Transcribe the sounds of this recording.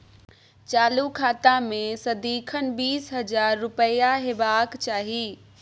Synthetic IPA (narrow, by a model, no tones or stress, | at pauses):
t͡ʃaːlukʰaːt̪amẽsəd̪iːkʰənbiːsɦəd͡ʒaːɾːʊpəjaɦebaːkt͡ʃaːɦi